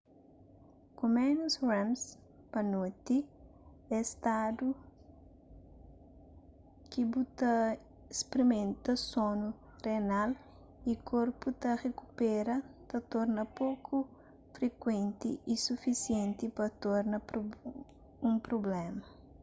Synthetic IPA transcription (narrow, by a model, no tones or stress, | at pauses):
kõmɛnusrɛ̃ms | pɐnot̪i | ɛst̪ad̪u | kibut̪ɐ | espɾimẽnt̪ɐsõnu | renal | ikʰoɾput̪ɐrekupɛɾɐt̪ɐt̪ɔɾnɐpokʰu | fɾekwẽnt̪ḭʔisufisiẽnt̪ipɐt̪ɔɾnɐpɾo | ũpɾoblɛmɐ